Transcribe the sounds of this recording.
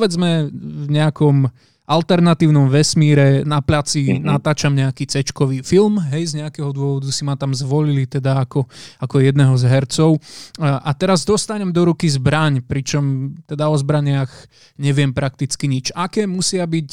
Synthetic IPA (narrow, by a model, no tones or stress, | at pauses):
ʋɛd͡zmɛvɲɛakɔm | ʔalt̪ɛɾnat̪iːʊnɔmʋɛsmiːɾɛnaplat͡sinat̪aːt͡ʃamɲɛakiːt͡sɛt͡ʃkɔʋiːfilmɦɛjzɲɛakɛːɦɔd̪ʊɔʋɔd̪usimat̪amzʋɔlilit̪ɛd̪aːkɔakɔjɛd̪nɛɦɔzɦɛɾt͡sɔʊʔat̪ɛɾazd̪ɔst̪aɲɛmd̪ɔɾukizbɾaɲpɾit͡ʃɔmt̪ɛd̪aɔzbɾaɲɪaɣ | ɲɛʋɪɛmpɾak̚t̪it͡skiɲit͡ʃakɛːmusɪabic